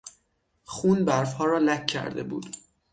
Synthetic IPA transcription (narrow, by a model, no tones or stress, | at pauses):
χuːnbæɾfhɒːɾɒːlækʰːæ̰ɾd̪e̞̰bṵːd̪̥